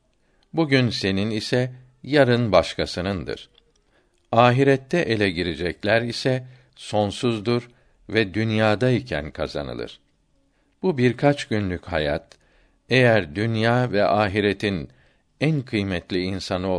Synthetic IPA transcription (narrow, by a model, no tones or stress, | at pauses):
buɟynse̞ninisɛ | jaɾɯnbaʃkʰasɯnɯnd̪ɯ̰ɾ̥ | aːɦiɾɛt̪ʰːɛʔe̞lʲɛɟiɾid͡ʒɛclʲæɾisɛ | so̞nsuzd̪uɾ | vɛd̪ynjaːd̪aicʰæ̰nkʰaza̰nɯ̰lˠɯ̰ɾ̥ | b̥ubiɾkʰat͡ʃɟynlʲycha̰ja̰t̪̚ | ejæɾd̪ynjaːvɛʔaːɦiɾet̪ʰin | ænkʰɯjmɛt̪lʲiinsanɯo